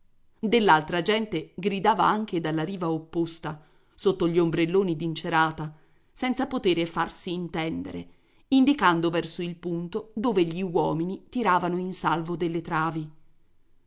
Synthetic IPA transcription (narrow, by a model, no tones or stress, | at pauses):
d̪elːalt̪ɾad͡ʒɛnt̪eɡɾid̪aːva̰aŋk̟ed̪alːaɾiːvaopːost̪a | sot̪ːoʎiombɾelːoːnid̪int͡ʃeɾaːt̪a | sɛnt̪sapot̪eːɾefarsiːnt̪ɛnd̪eɾḛ | ind̪ikand̪ovɛrsoilpunt̪od̪oːveʎiwɔːminit̪iɾaːvanoinsalvod̪elːet̪ɾaːvi